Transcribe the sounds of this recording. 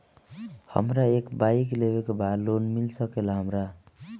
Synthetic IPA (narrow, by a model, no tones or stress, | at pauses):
hʌ̰mɾaekbajklebekobʱalonmilsʌkelaɦʌmɾa